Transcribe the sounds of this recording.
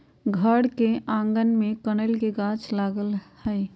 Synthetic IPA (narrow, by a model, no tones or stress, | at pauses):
ɡʱəɽkeʔãːŋɡənmẽkəɽ̃əlkeɡaːt͡ʃʰlaːɡəlhɛj